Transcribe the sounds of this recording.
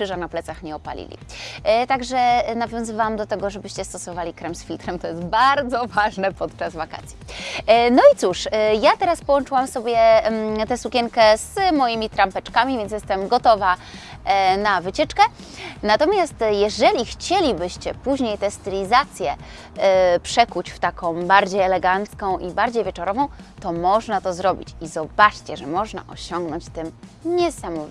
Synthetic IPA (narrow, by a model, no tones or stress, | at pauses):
ʂɘʐanaplɛt̪saxɲɛɔpa̰lʲḭlʲḭt̪aɡʐɛnavʲjɔ̃w̃zɨvawamd̪ɔt̪ɛɡɔʐɛbɘɕt͡ɕɛst̪ɔsɔvalʲikɾɛmsfʲilt̪ɾɛmt̪ɔjɛst̪̚baɾd̪zɔvaʐnɛpɔt̪t͡ʂazvaka̰t̪sʲjinɔit̪suʂjat̪ɛɾaspɔwɔnt͡ʂɘwamsɔbʲjɛt̪ɛsukʲɛŋkɛz̥mɔjimʲit̪ɾampɛt͡ʂkamʲivʲjɛnt̪̬ʲjɛst̪ɛmɡɔt̪ɔva | navɘt͡ɕɛt͡ʂkɛ | nat̪ɔmʲjast̪jɛʐɛlʲixt͡ɕelʲibɘɕt͡ɕɛpuʑɲejt̪ɛst̪ɘlʲizat̪sʲjɛ | pʂɛkut͡ɕft̪akɔ̃w̃baɾd͡ʑejɛlɛɡant̪skɔ̃w̃ʔibaɾd͡ʑejvʲjɛt͡ʂɔɾɔvɔ̃w̃t̪ɔmɔʐnat̪ɔzɾɔbʲḭt͡ɕizɔbat͡ʂt͡ɕɛʐɛmɔʐna̰ʔɔɕɔŋɡnɔɲt͡ɕt̪ɘmɲɛsamɔvʲ